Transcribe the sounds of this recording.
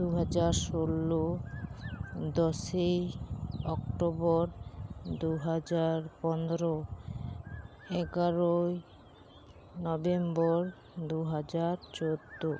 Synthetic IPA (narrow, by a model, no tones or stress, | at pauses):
d̪uɦad͡ʑaɾʃolːo | d̪ɔʃejɔkʈobɔɾd̪uɦad͡ʑaɾpɔnd̪ɾo | ɛɡaɾoj | nɔbembɔɾ | d̪uɦad͡ʑaɾt͡ɕod̪ːo